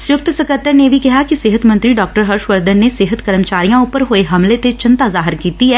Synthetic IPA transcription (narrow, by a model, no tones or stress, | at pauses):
sʊjʊk̚t̪səkət̪ːəɾneʋʱiːkɪɦaːkisɪɦət̪mə̃nt̪ɾiːɖɔːk̚ʈəɾɦəɾʃʋəɾd̪ənːeːsɪɦət̪kəɾəmt͡ʃaːɾijãːʊpəɾɦoːeɦəmleːt̪et͡ʃɪnt̪aːzaːɦɪɾkiːt̪iːɛː